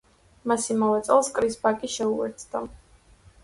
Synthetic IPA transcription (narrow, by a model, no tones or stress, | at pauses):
masimalɛt̪sʼɛlˠskʼɾisbakʼiʃɛuɛ̰ɾt̪sʰd̪a